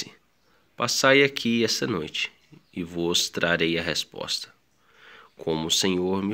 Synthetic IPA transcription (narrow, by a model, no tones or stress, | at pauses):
ɪ | pasajakʰiɛst̪ɐnojt͡ʃɪ̥ | ɪvɔst̪ɾaɾejɐɦespɔ̰st̪ɐ̥ | kʰõmʊsẽɲoɾmɪ